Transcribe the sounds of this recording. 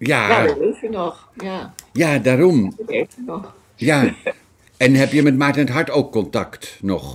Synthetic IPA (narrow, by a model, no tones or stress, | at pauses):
jaːetənɔχ | jajaːdaːɾɔmetənɔ | jaː | ɛnɦɛpjəmɛtmaːɹtənətɦɑɹtowkːɔntɑktnɔχ